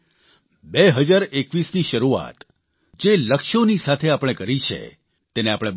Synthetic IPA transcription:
beɦəd͡ʒaɾekʋisniʃəɾua̰t̪ | d͡ʒeləkʃonisat̪ʰeapɽ̃ekəɾit͡ʃʰḛ | t̪eneapɽ̃eb

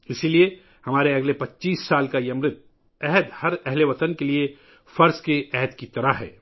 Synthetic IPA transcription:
ɪsilie | hɐmaːɾeɐɡlepɐtːt͡ʃiːsːaːlkajemɾɪt̪̚ | ɛɦɛd̪hɐɾɛɦleʋɐt̪ənkelie | fɐɾskeʔɛɦɛd̪kit̪ɐɾaɦɦɛ̰ː

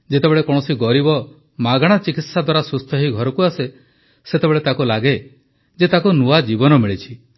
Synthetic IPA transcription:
d͡ʒet̪ebeɭekɔɽ̃ɔsiɡɔɾibɔ | maɡaɽ̃at͡ʃikit̪sad̪waɾasust̪ʰɔɦiɡʱɔɾɔkuase | set̪ebeɭet̪akulaɡe | d͡ʒet̪akunuad͡ʒibɔnɔmiɭit͡ʃʰi

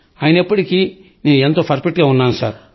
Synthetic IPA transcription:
aːjɐnɐpːɐʈiki | ne̞ːnuent̪oːpʰɐɾpiʈɡaːunːaːnusa̰ːɾ

